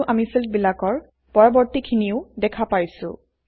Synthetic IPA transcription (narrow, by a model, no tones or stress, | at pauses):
ʔamisilt̚bilakɔɹ | pɔɹɔbɔɹtikʰiniʊdɛkʰapajsʊ̰